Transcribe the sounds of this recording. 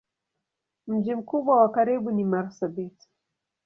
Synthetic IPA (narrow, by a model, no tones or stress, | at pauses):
m̩d͡ʒim̩kuɓwawakaɾiɓunimaɾsabiti̥